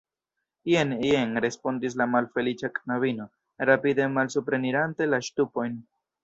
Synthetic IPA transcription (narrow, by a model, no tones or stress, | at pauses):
jenenɾe̞spo̞ndis̬lamalfe̞lit͡ʃaknaβino̞ | ɾapide̞malsupɾe̞niɾante̞laʃtupo̞jn